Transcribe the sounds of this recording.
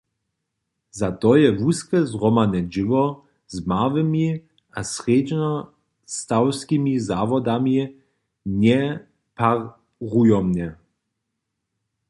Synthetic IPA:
zat̪ɔjɛvuskɛzʁɔmanɛd͡ʒivɔ | zmavɛmi | asʁeːd͡ʒnɔ | st̪awskimizaːvɔd̪ami | ɲɛ | pa | ʁujɔmnɛ

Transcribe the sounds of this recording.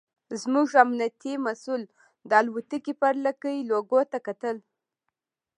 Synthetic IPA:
zmuʒamnat̪imasul | d̪əalwut̪əkipaɾlakəiloɡot̪akat̪əl

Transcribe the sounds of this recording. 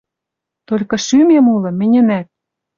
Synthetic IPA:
t̪olʲkɤ̆ʃymemulɤ̆mɘ̆nʲɘ̆næt̪̚

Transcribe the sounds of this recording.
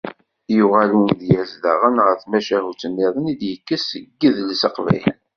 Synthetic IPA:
juʁælunðjæzðə̰ʁənʁəɾθmæʃæhut͡sənːɪðˤənid̪jəkːəsəɡːəðlsəqvæ̰jlə̰n

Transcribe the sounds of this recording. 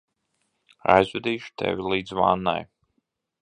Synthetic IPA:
a̰jzvɛd̪iːʃu̥t̪ʰɛ̰vʲilˠiːd̪zva̰ːnːa̰j

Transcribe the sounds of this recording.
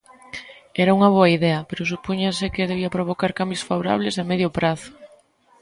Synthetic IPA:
ɛɾauŋɐβ̞oɐiðɛɐpeɾʊs̬upuɲasɪkeðeβ̞iɐpɾoβ̞okaɾkambjosfaβwɾa̰β̞lesemɛðjʊpɾaθʊ̥

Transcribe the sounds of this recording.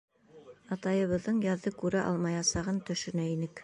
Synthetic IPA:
ɑt̪ɑjɤ̆βɤ̆ðːɤɴjɑðːɤkʉɾæʔɑ̰lˠmɑjɑsɑʁɤnt̪ɵ̆ʃɵ̆næinɘk

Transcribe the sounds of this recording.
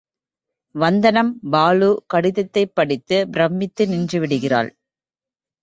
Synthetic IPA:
ʋɐnd̪ɐnɐmbaːlukɐɽɪðɐt̪ːɐɪpːɐɽɪt̪ːɯbɾɐmːɪt̪ːɯnɪndrɯʋɪɽɯɣɪra̰ːɭ

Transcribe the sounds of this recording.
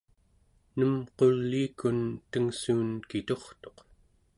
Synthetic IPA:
nəmqo̞lːiːkunt̪əŋsuːnkit̪o̞χt̪o̞q

